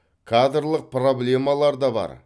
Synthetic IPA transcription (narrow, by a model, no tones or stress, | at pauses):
kʰad̪ɾlˠəq̚pro̞blʲe̞mɑlˠɑɾd̪ɑbɑ̰ɾ